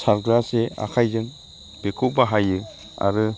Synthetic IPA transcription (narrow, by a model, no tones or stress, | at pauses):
saɾɡɾasea̰kʰajzɯŋ | b̥ekʰubaɦajɯ | a̰ɾɯ